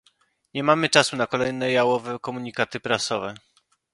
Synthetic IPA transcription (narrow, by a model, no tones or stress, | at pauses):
ɲɛmamɘt͡ʂasunakɔlɛjnɛjawɔvɛkɔmuɲikat̪ɘpɾasɔvɛ